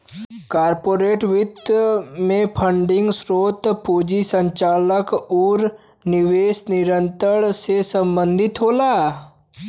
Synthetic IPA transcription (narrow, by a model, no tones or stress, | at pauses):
kaːɾpoːɾeːʈʋɪd̪mẽpʰəɳɖɪ̃ŋɡsɾoːt̪puːd͡ʒisə̃ɲt͡ʃaːləkɔːɾ | nɪʋeːsnɪɾə̃nt̪əɽ̃sesə̃mbə̃nd̪ʱɪt̪ɦoːlaː